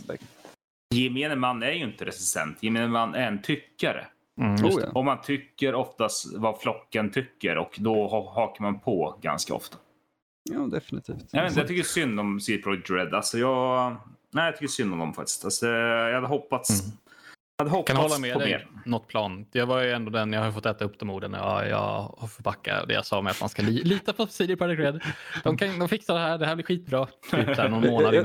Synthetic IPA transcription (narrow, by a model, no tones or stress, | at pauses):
jɪmenəmanːæɾjɵɪnt̪əɾɛsɪ̥st̪ɛ̰nt̪jɪmeːnəmanːʔæɾɛnt̪ʰʏkːaɾə̰ | ɔmːant̪ʰʏkːəɾɔft̪ast̪vaflɔkːənt̪ʰʏkːə̰ɾɔkd̪ɔhɔhɑːkaɾmanpʰɔɡa̰nska̰ɔ̰ft̪ḁ | ɑːd̪ɛfnɪt̪ʰḭːftt̪jɑveːnəjɑt̪ʏkːəsʏnd̪ɔmsiːd̪pʰɾɔʏd̪ɾɛd̪alsɔjɑːɡ | næɪjɑt̪ʰʏkːəsʏnd̪ɔmd̪ɔ̰mfakt̪ɪ̥st̪asɔd̪ɛjɑhad̪ːəɦɔpːat̪s | had̪ːəhɔkʰanhɔlːamɛdɔɛmḛːɾnɔt̪ːpʰlɑːnjɑːvajɵɛnd̪ɔd̪ɛnjɑhaɾjəfɔt̪ːɛːt̪aɵpːd̪ɔmuːɖən̰jɑ̰jɑ̰fɔɾpʰakːa̰d̪ɛ̰ja̰sɑːmɛat̪ma̰nskaliːliːt̪apʰɔsiːd̪ɪpʰad̪ɪɡɹɛd̪d̪̥ɔmkʰand̪ɔmfɪksad̪ɛɦæːɖ̪ɛhæːblɪɾɧiːt̪̚bɾɑːisænɔnmoːnad̪ɪ